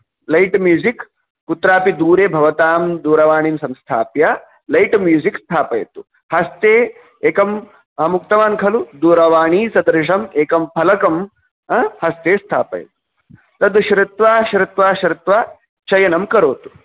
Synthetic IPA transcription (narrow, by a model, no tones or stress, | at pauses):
lɐjʈmjuːzikː | ut̪ɾaːpid̪uːɾeːbʱɐʋɐt̪aːmd̪uːɾɐʋaːɳ̃iːmsɐ̃mst̪ʰaːpja | lɐjʈmjuːzikst̪ʰaːpɐ̰jt̪u̥ | hɐst̪eː | eːkɐm | ɦɐmukt̪ɐʋaːnkʰɐlud̪uːɾɐʋaːɳ̃iːsɐd̪ɾʂ̬ɐmeːkɐmpʰɐlɐkɐmː | hɐst̪eːst̪ʰaːpɐ̰jt̪u̥ | t̪ɐd̪ʃɾɪt̪ʋaːʃɾɪt̪ʋaːʃɾɪt̪ʋaː | t͡ʃɐjɐnɐmkɐɾoːt̪u̥